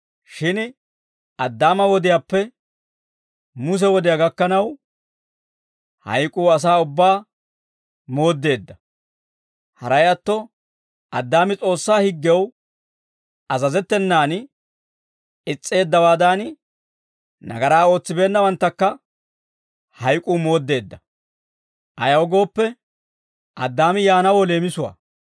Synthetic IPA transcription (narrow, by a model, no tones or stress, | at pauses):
ʃɪn | ʔɐd̪ːaːmɐwɔd̪ɪjaːpːɛ | mʊs̬ɛwɔd̪ɪjaɡɐkːɐnɐw | hɐ̰jkʼuːɐs̬aːʊbːaː | mo̞ːd̪ːe̞ːd̪ːɐ | hɐɾɐjɐt̪ːɔ | ʔɐd̪ːaːmɪt͡sʼo̞ːsːaːhɪɡːɛw | ʔɐzɐzɛt̪ːɛnːaːn | ɪt͡sʼːe̞ːd̪ːɐwaːd̪aːn | nɐ̰ɡɐɾaːo̞ːt͡sːɪbe̞ːnːɐwɐnt̪ːɐkːɐ | hɐjkʼuːmo̞ːd̪ːe̞ːd̪ːɐ | ʔɐjɐwɡo̞ːpːɛ | ʔɐd̪ːaːmɪjaːnɐwɔle̞ːmɪsʊwa̰ː